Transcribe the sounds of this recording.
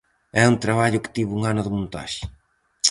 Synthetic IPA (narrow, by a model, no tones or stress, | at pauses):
ɛunt̪ɾɐβaʎʊkɪ̥t̪iβuŋanʊðɪmõnt̪a̰ʃɪ̥